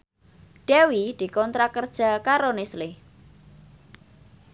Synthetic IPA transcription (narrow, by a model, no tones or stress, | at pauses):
ɖ̥ewid̪̥i̤kɔnt̪ɾakərd̥ʒ̥a̤kaɾonɪslɪh